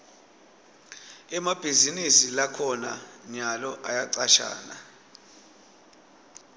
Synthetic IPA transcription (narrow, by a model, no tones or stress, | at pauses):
ɛmab̥ʱizinisilakʰɔna̰ɲalɔʔajaǀaʃa̰ːna̰